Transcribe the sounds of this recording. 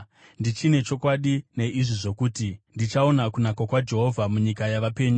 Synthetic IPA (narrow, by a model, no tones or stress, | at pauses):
ndit͡ʃine̞t͡ʃo̞kwaɗine̞ʔiʐiʐo̞kuːtindit͡ʃao̞nakunakwakwad͡ʒe̞ɦo̞vʱamuɲikajaʋape̞ːɲu